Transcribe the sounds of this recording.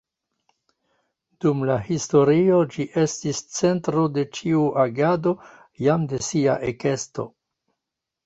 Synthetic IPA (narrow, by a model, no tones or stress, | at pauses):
d̥umlahisto̞ɾio̞d͡ʒiʔe̞stist͡se̞ntɾo̞de̞t͡ʃiuʔaɡado̞ | jamde̞sia̰ʔeke̞sto̞̰